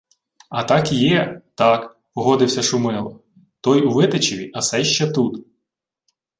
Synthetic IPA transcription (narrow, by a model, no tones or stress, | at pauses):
ɐt̪ɑkjɛt̪ɑk | ɔɦɔd̪ɪwsʲɐʃʊmɪlˠɔ̰ | t̪ɔjuʋɪt̪et͡ʃɪʋʲiʔɐsɛʃt͡ʃɛt̪ut̪